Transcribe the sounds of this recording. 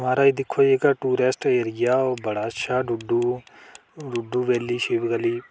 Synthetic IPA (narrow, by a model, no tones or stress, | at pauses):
maːɾaid̪ikʰoeːɡɐʈuːɾesʈeɾijabɐɽaːʃaɖuɖːu | ɖuɖːuʋelːiʃeʋiɡɐli